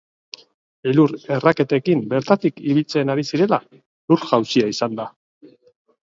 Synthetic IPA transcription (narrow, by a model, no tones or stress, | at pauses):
eluɾe̞rake̞t̪e̞kimbe̞ɾt̪at̪ikiβilt͡se̞naɾisiɾe̞la | luɾɣawsiaisand̪a